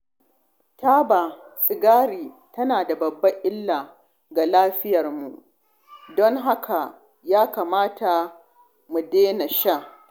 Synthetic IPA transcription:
taː˦ba˨sʼɪ˨ɡaː˦ɾiː˨ | tɐ˦naː˨da˨bɐ˨bːɐ˦ʔɪ˦lːaː˨ | ɡa˨laː˦ɸɪ˦jɐ˨rmu˨ʔ | dɔ˦ŋɦa˦kʰa˨ | jaː˦kaː˨maː˦tʰa˨ | mu˨deː˦nɐ˨ʃa˦

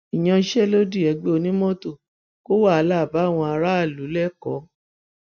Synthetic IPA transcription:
i˨j̃ã˧ʃɛ˦lo˦di˦˨ɛ˨˧ɡ͡be˦o˧nĩ˦mɔ̃˦to˦˨ | ko˦wa˦˨a˧la˦˨ba˨˦˨w̃ɔ̃˧a˧ɾa˦a˦˨lu˨˦lɛ˦˨kɔ˨˦

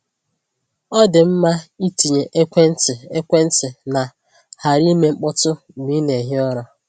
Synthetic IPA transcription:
ɔ˦dɪ˨m̩˦ma˦i˦ti˨ɲe˨ʔe˦kʷe˦n̩˦tɪ˨e˦kʷe˦n̩˦tɪ˨na˨ | ha˨ɾi˦me˦ŋ͡m̩˦k͡pʊ˦tʊ˦˨mi˦ne˨ɦɪ˦ɔ˦ɾɔ˦

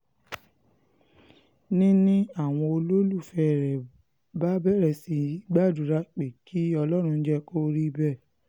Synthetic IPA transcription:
nĩ˦nĩ˦a˦˨w̃ɔ̃˧o˧lo˦lu˦˨fɛ˦˨ɾɛ˨ | ba˦bɛ˦˨ɾɛ˨si˨˧i˦ɡ͡ba˦˨du˨ɾa˦k͡pe˨kʰi˨˦ɔ˧lɔ˦ɾ̃ũ˧n̩˦d͡ʒɛ˦ko˦ɾi˦bɛ˦˨

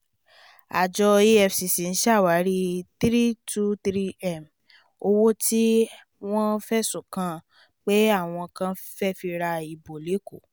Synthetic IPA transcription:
a̰˨d͡ʒɔ˧i˦ɛ˧fsi˨si˨n̩˦ʃa˦˨wa˨˦ɾi˦t̪ɾi˦tu˦t̪ɾi˦ɛ˦˨m | o˧wo˦tʰi˦ | w̃ɔ̃˦fɛ˦sũ˨kã˧ | k͡pe˦a˦˨w̃ɔ̃˧kã˦ | fɛ˦fi˧ɾa˧i˨bo˨le˨˦ko˦˨

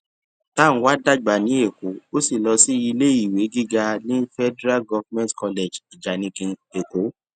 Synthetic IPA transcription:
tã˦˨˦wa˦da˦ɡ͡ba˨nĩ˨˦e˦˨ko˨˦o˦si˦˨lɔ˧si˦i˧le˦i˦˨we˨˦ɡi˦ɡa˧nĩ˦fɛ˦dɛ˦ɾa˦lɡɔ˧vmɛ̃˦tkɔ˧le˨d͡ʒi˨d͡ʒa˨nĩ˧kĩ˧ne˨ko˨˦

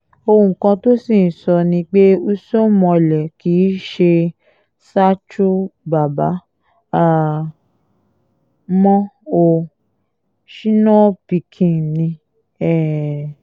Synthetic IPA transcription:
o˧ũ˨kã˧to˦sĩ˦˨n̩˨sɔ˧nĩ˧k͡pe˦u˦so˦mɔ̃˧lɛ˨ki˨˦ʃe˧ | sa˦t͡ʃu˦ba˨ba˨˦ | a˦˨ | mɔ̃˦o˧ | ʃĩ˦nɔ̃˦˨pi˧kʰĩ˨nĩ˧ | ɛ˦˨

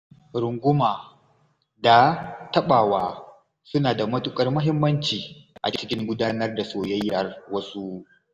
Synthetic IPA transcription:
ɾʊ˨ŋɡʷʊ˦maː˨ | da˨tɐ˦ɓaː˨waː˦ | sʊ˦naː˨da˨mɐ˦tʊ˦kʼɐ˦rmʊ˦ɦɪ˦mːɐ˦nt͡ʃiː˨ʔa̰˨t͡ʃɪ˦t͡ʃɪ˦kʲɪ˦ŋɡʷʊ˦daː˦nɐ˦rda˨soː˨jɐ˦jːɐ˨rwɐ˦su˦

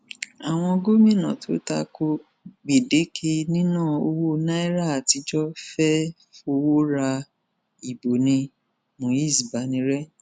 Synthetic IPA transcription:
a˨w̃ɔ̃˧ɡo˦mĩ˦˨nã˨tʰo˨˦ta˧ko˧ | ɡ͡be˨de˨˦kʰe˧nĩ˦nãː˦˨o˧wo˦nã˦i˦ɾa˦˨a˨ti˧d͡ʒɔ˦fɛ˦ | fo˧wo˦ɾa˧ | i˨bo˨nĩ˧ | mõ˨ji˦˨si˨ba˨˦nĩ˧ɾɛ˦

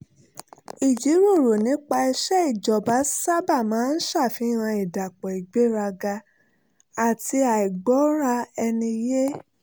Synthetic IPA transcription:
i˨d͡ʒi˨˦ɾo˦˨ɾo˨nĩ˨˦k͡pa˧i˧ʃɛ˦i˦˨d͡ʒɔ˨ba˨˦sa˦ba˦˨mãː˨˦n̩˦ʃa˦˨fi˨˦ɾ̃ã˧i˨da˨k͡pɔ˨i˨ɡ͡be˨˦ɾa˧ɡa˧ | a˨ti˧a˨i˨ɡ͡bɔ˨˦ɾa˧ɛ˧nĩ˧je˦

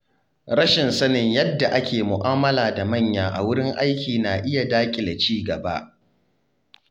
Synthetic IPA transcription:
ɽɐ˦ʃɪ˨nsɐ˦nɪ˨ɲjɐ˦dːa˨ʔa˦kʲeː˨mʊ˨ʔaː˦mɐ˦laː˨da˨mɐ˦˨ɲjaː˨ʔa̰˨wʊ˦ɽɪ˦ŋʔa˦jkʲʰiː˨naː˨ʔɪ˦ja˨daː˦kʲʼɪ˨da˨t͡ʃiː˦ɡɐ˨ba̰˦ʔ

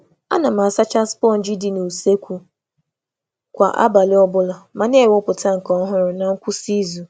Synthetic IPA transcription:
a̰˦na˨ma˨sa˦t͡ʃa˦spɔ˦˨n̩˨d͡ʒi˦di˨nu˨se˦kʷu˨ | kʷa̰˨ʔa̰˦ba˨lɪ˦ɔ˦bʊ˦la˨ma˨n˦e˦˨wʊ˦pʊ˨ta˦ŋ̩˨kɔ˨˦ɦʊ˦ɾʊ˨na˨ŋ̩˦kʷu˦si˦zu˨

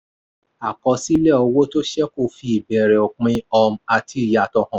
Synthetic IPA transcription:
a˨kɔ˧si˦lɛ˦˨ɔ˧wo˦to˦ʃɛ˦ko˧fi˧i˨bɛ˨ɾɛ˨ɔ˨k͡pĩ˧ɔ˧m̩˧a˧tʰi˦˨ja˧tɔ˧hɔ̃˨

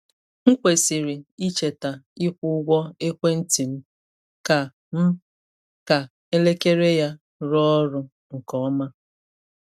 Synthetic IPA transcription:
ŋ̩˦kʷe˨si˨ɾi˨i˦t͡ʃe˨ta˨i˦kʷʊ˦ɡʷɔ˦e˦kʷe˦n̩˦ti˨m̩˦ | ka˨ | m̩˦ | ka˨ | e˦le˦ke˦ɾe˦ja˦ | ɾɔ˦ɾʊ˦ | ŋ̩˨kɔ˦ma˦

